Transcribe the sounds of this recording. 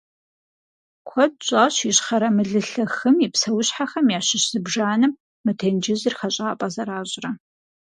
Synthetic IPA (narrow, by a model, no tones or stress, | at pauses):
kʷʰɔd̚ɕʷʼaːɕiɕχɐɾɐmɨɮɨɬɐxɨmipsɐwʊɕħaxɐmjaːɕɪɕz̥ɨbʒaːnɨmː | ɨtʰend͡ʒɪzɨrχɐɕʼaːpʼɐzɐɾaːʑʼrɐ